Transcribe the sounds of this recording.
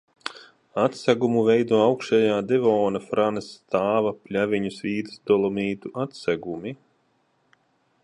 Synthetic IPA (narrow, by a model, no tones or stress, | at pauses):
at̪sæɡumuvɛjd̪uɔawkʃajaːd̪ɛvɔːnafɾanɨst̪aːvapʲlʲavʲiɲusvʲiːd̪sd̪ɔlˠɔmiːt̪uʔat̪saɡumi